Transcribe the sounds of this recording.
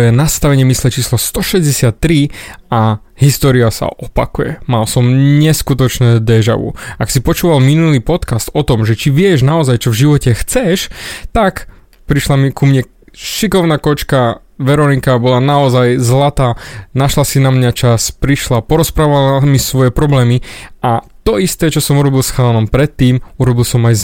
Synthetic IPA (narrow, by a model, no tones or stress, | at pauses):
jɛnast̪aʋɛɲɪɛmislɛt͡ʃiːslɔst̪ɔʃɛzɟɛsɪat̪ːɾia | ɦist̪ɔːɾiasa̰ʔɔpa̰kujɛ̰malsɔmɲɛskut̪ɔt͡ʃnɛːd̪ɛʒa̰ʋṵaksipɔt͡ʃuːʋalminulipɔt̪kast̪ɔt̪ɔmʒɛt͡ʃiʋɪɛʒnaɔzajt͡ʃɔvʒiʋɔcɛxt͡sɛʃt̪ak | pɾiʃlamikumɲɛ | ʃikɔʊnaːkɔt͡ʃka | ʋɛɾɔnikabɔlanaɔzajzlat̪aːnaʃlasinamɲat͡ʃaspɾiʃlapɔɾɔspɾaːʋalamisʋɔjɛpɾɔblɛːmiat̪ɔist̪ɛːt͡ʃɔsɔmuɾɔbilˠsxaːnɔmpɾɛt̪ːiːmuɾɔbilsɔmaj